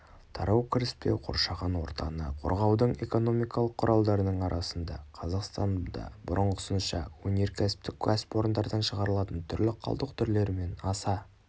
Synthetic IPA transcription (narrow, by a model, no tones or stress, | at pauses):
t̪ʰɑ̰ɾɑwkʲʰɪɾɪspe̞wqʰo̰ɾʃɑʁɑnwo̞ɾt̪ɑnə̰qʰo̞̰ɾʁɑwd̪əɴe̞̰ko̞no̞mijkʰɑlˠəqʰːʊɾʔɑlˠd̪ɑɾənəɴɑɾʔɑsənd̪ɑ̰qʰɑzɑqst̪ɑnd̪ɑ̰bʊɾʔəɴʁəʊsənʃɑ̰wɵnʲe̞ɾkʲʰæsɪ̥p̚t̪ɪkkʰaspo̞ɾənd̪ɑɾd̪ɑnʃəʁɑɾəlˠɑt̪ənt̪ʰʏɾlɪqʰɑ̰lˠd̪əqt̪ʰʏɾle̞ɾme̞nɑsɑ